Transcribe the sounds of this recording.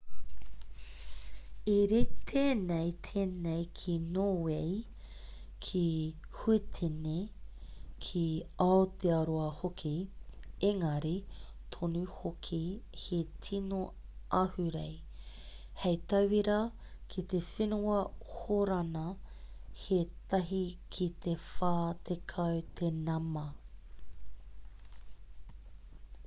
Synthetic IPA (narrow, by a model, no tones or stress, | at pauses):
iɾet̪ʰeːnejt̪ʰeːnejkʰinoːwej | kʰi | huet̪ʰene | kʰiaot̪eɐɾoɐhokʰi | eŋɐɾi | t̪ʰonuhokʰihetʰino | ʔɐhʉɾḛj | hejt̪ɐwiɾɐ | kʰit̪efenuɐhoɾɐnɐ | het̪ɐɦikʰit̪ʰefaːt̪ʰekʰɐwt̪ʰenɐmɐ